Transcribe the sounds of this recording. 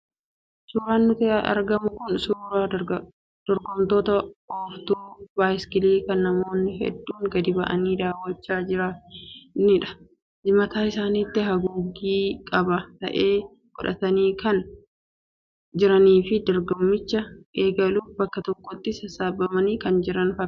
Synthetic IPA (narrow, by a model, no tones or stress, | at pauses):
suːɾaːnːʊt̪ɪɐ̰ɾɡɐmʊkʊnsuːɾaː | d̪̥ɔɾɡɔmt̪o̞ːt̪ɐɔft̪uːbaːjskɪliːkɐnːɐmo̞ːnːɪɦɛ̰d̪ːuːŋɡɐd̪ɪbɐʔɐ̰niːd̪aːwːɐt͡ʃːaːd͡ʒɪɾa | nɪᶑɐ̥ | d͡ʒɪmɐt̪aːɪsaːnit̪ːɪɦɐɡuːɡiːkʼɐbɐt̪ɐ̰ʔe̞ː | ɡ̥ɔ̰ᶑɐ̰t̪ɐniːkɐn | d͡ʒɪɾɐniːfɪd̪ɔɾɡɔmːɪt͡ʃːɐʔeːɡɐluːbɐkːɐt̪ɔkːɔt̪ːɪsɐsaːbːɐmɐniːkɐnd͡ʒɪɾɐnfɐ